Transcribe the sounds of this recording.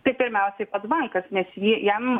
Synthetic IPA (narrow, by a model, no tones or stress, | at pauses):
t̪ɐɪpʲɪɾʲmʲɛʊsʲɛɪpɐd̪ʋɐŋkɐsnʲɛsjiːjɛm